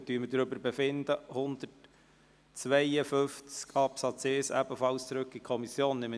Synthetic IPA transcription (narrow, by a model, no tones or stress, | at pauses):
tyːəmədɾʏbəɾbɛfɪnd̪əhʊnd̪̥ət | t͡sʋɛɪəfʏft͡skʰɑpsɑt͡seːsæ̰bəfɑlst͡sɾɵkːikʰɔmisjoːnnɪm